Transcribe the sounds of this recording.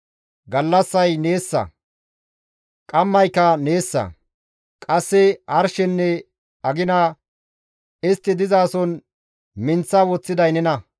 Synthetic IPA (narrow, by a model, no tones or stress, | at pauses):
ɡɐlːɐsːɐjne̞ːsːɐ̰ | kʼɐmːɐjkːɐne̞ːsːɐ̰ | kʼɐsːɛɐɾʃɛnːɛ | ɐɡɪnɐ | ɪst̪ːɪd̪ɪzaːsɔn | mɪnt͡sːɐwɔt͡sːɪd̪ɐjnɛnɐ